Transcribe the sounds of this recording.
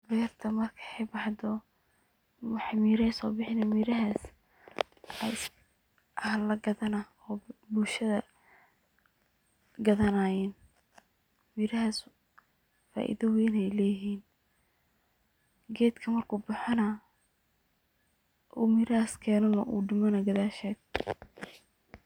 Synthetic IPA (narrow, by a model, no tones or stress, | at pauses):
bɛːrt̪ʰɐmɐrkʰɐ̥ɛjbɑħd̪ɔ | ɑħmiːɾɛsɔːbɪħɪnɛmiɾɐɦaːs | ɛ̰s | ʔɐhlɐɡɐðɐnɐ | ɔːbulʃɐðɐ | ɡɐðɐnaːjɛːn | miːɾɐɦas | fa̰ːʔḭðɐwɛːnɛjlɛːɦiːn | ɡɛːd̪kʰɐmɐrkʰuːbʊħɑnɐ | ʔuːmiɾɐhaːskʰɛːnɔnɐ̰ʔṵːɖɪmɐnɐɡɐðaːʃɛːd̪̚